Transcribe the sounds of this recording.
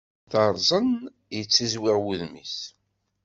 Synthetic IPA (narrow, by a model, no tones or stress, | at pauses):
θəɾˤzˤən | jət͡sːizwɪʁwuðmis